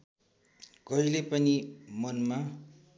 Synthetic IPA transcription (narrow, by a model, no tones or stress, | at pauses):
ɡʌilepʌnimʌnma